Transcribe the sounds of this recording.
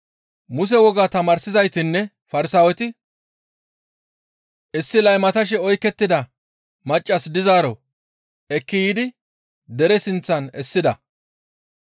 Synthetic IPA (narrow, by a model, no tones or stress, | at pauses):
mʊs̬ɛwɔɡaːt̪ɐmaːɾsɪzɐjt̪ɪnːɛ | fɐɾɪsaːwɛt̪ɪ | ʔɪsːɪlɐjmɐt̪ɐʃ̬ɛɔjkːɛt̪ːɪd̪ɐ | mɐt͡ʃʼːɐsd̪ɪzaːɾɔ | ɛkːɪjiːd̪ɪ | d̪ɛɾɛsɪnt͡sːɐnɛsːɪd̪ɐ